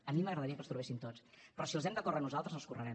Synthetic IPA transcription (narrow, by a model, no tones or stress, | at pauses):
əmiməɣɾəðəɾiəkəst̪ɾuβesint̪ot͡spɾɔsilˠzɛmnd̪əkɔrəmnuzalˠt̪ɾəzəlˠskurəɾɛm